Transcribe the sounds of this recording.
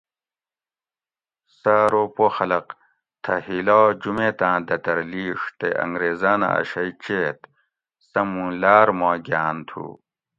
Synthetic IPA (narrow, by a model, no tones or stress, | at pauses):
saːɾopoxɐlɐq | t̪ʰɐhilaːd͡ʑumẽːt̪ãːd̪ɐt̪ɐɾliːʂt̪eʔɐ̰ŋɡɾeːzaːna̰ɐ̰ɕɐit͡ɕeːt̪ | sɐmũlaːɾmoːɡaːnt̪ʰṵː